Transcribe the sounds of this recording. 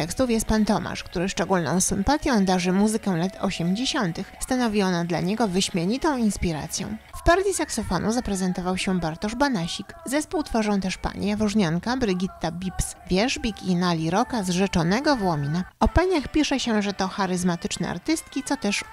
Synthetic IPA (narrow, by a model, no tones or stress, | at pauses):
ɛkst̪ufjɛst̪̚pant̪ɔma̰ʂkt̪uɾɘʂt͡ʂɛɡulnɔ̰̃w̃sɘmpat̪ʲjɔ̃w̃d̪aʐɘmuzɘkɛlat̪ʰɔ̰ɕɛmd͡ʑeɕɔnt̪ɘxst̪anɔvʲiɔnad̪la̰ɲɛɡɔvɘɕmʲjeɲit̪ɔ̃w̃inspʲiɾa̰t̪sʲjɔ̰̃w̃fpaɾd̪ʲisaksɔfɔnʔuzapɾɛzɛnt̪ɔvawɕɛbaɾt̪ɔʐbanaɕikzɛspuwt̪faʐɔ̃w̃t̪ɛʂpa̰ɲḭjavɔʐɲaŋkabɾɘɡʲit̪ːabʲipsvʲjɛʐbʲikinalʲiɾɔkazʐɛt͡ʂɔnɛɡɔvwɔmʲinaɔpaɲaxpʲiʂɛɕɛʐɛt̪ɔxaɾɘzmat̪ɘt͡ʂnɛ̰a̰ɾt̪ɘst̪kʲit̪sɔt̪ɛʂ